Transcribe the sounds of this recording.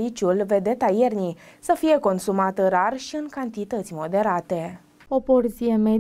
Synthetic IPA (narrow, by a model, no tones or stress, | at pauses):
it͡ʃulve̞d̪e̞t̪aje̞rnisəfije̞ko̞nsumat̪əɾarʃiɨŋkant̪it̪ət̪sʲmo̞d̪e̞ɾat̪e̞ | opoɾzieme